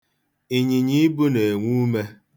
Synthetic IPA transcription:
i˨ɲi˨ɲi˦bu˦ne˨e˨ŋʷu˦me˦

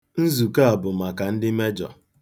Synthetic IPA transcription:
n̩˦zu˨ka˦a˨bʊ˨ma˨ka˨n̩˦dɪ˦me˦d͡ʒɔ̰˨

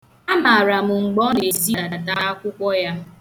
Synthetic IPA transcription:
a˦ma˨ɾa˨mʊ˨ŋ͡m̩˨ɡ͡bɔ˦ne˨zi˦na˨a˨ta˦a˦kʷʊ˦kʷɔ˦ja˦

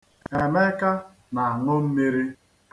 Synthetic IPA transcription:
e˨me˦ka˦ | na˨a˨ŋʊ˦m̩˦me˦ɾi˦

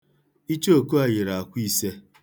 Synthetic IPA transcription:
i˦t͡ʃo˦˨ku˦a˨jɪ˨ɾa˨a˨kʷi˦se˦

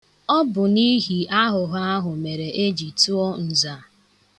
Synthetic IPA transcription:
ɔ˦bʊ˨ni˦ɦi˨a˦ɦʊ˨ɦa˦ɦʊ˨me˨ɾe˨ʔe˦d͡ʒi˨tu˦ɔ˦n̩˨za˨

